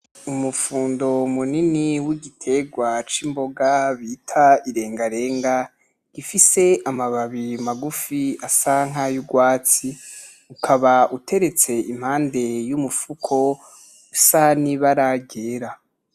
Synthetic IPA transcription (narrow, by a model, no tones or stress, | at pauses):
umufuːndo̞muniniwiɡitʰe̞ɡwat͡ʃimbo̞ɡaβitʰaiɾe̞ːŋɡaɾe̞ːŋɡa | ɡ̥ifise̞amaβaβimaɡufiasaŋ̥ajuɡwaːt͡si | ukʰaβaʔutʰe̞ɾet͡se̞im̥haːnde̞jumufukʰo̞ | usaniβaɾaɡeːɾa